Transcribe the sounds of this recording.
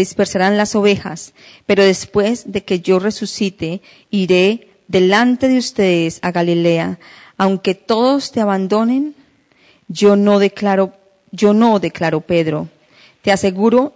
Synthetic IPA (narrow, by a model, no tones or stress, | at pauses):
ðispe̞ɾsaɾanlaso̞βe̞xa̰s | pe̞ɾo̞ðe̞spwe̞zðe̞ke̞ʝo̞re̞susit̪e̞ | iɾe̞ | ðe̞lant̪e̞ðeust̪e̞ðesaɣalile̞aː | wŋke̞t̪o̞ðo̞st̪eaβand̪o̞ne̞n | d͡ʒonoðeklaɾo | d͡ʒo̞no̞ðe̞klaɾo̞pe̞ðɾo̞ | t̪ease̞ɣuɾo̞